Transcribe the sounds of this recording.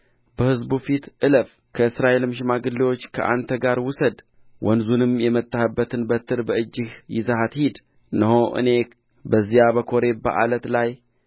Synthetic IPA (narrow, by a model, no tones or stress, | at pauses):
bəhɨzbufit̪ʔɨləf | kʰəɨsɾaʔelɨmʃ̬ɪmaɡɨlːiwo̞t͡ʃːkʰə̰ʔa̰nt̪ʰəɡaɾwʊsəd̪ | wʔɔnzunɨmjɛmət̪ʼːahɨbːət̪ʰɨnbət̪ʰɨɾbəɨd͡ʒːɪhjɪzahat̪hid̪ | nəɦoʔɨ̰ne̞ | bəzːijabəkʰo̞ɾe̞bə̰ʔa̰lət̪laj